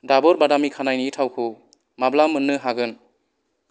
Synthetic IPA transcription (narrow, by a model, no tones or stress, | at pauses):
dabɔɾbadamikʰanajnitʰawkʰɯw | mablamɯnːɯɦaɡɯn